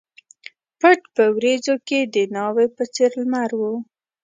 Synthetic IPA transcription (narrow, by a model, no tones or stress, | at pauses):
pəʈpəwɾezoked̪ənɑwepət͡seɾlmaɾwu